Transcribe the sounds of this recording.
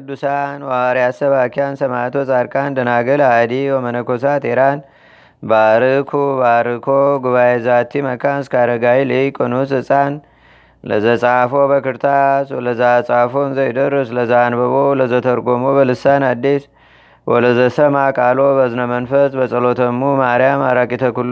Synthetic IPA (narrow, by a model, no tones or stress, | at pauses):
kʰɨd̪ːusanwaɾiasəβakʰiansɐmat̪wɔt͡sʼaɾkʼand̪ənaɡɨlad̪iwɔmənəkʰos̬at̪eɾan | baɾɨkʰubaɾɨkʰoɡuβajezat̪ʰːimɐkʰanskʰaɾəɡajlikʼonusɨsʼan | lə̰zəsʼafo̞bəkɨɾt̪ʰaswɔləzat͡sʼafonzəjd̪əɾːəsləzanbəβoləzət̪ʰəɾɡomobəlɨsanad̪ːes | wʔɔləzəsəmakʼalobəzɨnəmənfəsbəsʼəlo̞t̪ʰəmumaɾijama̰ɾakʼit̪ʰəkul